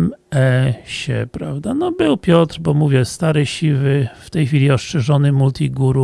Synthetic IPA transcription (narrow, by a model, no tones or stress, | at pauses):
mɛɕɛ̰pɾavd̪anɔbɘwpʲjɔt̪ɾbɔmuvʲjɛst̪aɾɛɕivɘft̪ɛjxfʲilʲiɔʂt͡ʂɛʐɔnɘmult̪ʲiɡuɾu